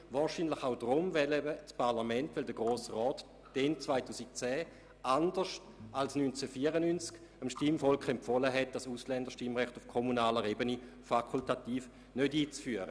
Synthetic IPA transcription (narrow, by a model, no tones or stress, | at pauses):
vaːʃiːnlɪχaʊdʁʊmvɛlɛbət͡spʰaʁlamɛntʋɪldəɡʁoːsʁɔːt | d̥ɛnt͡svaɪtuːsik̚t͡sɛː | andəʃt | alsnynt͡sɛfiːɐʁənynt͡sk | əmʃtimfɔlkχɛmfɔləɦɛt̚d̥asuslɛndəʁʃtimʁɛχtufkʰomunaːləʁebəni | fakʰultatiːf | nødiːt͡sfyɐʁə̰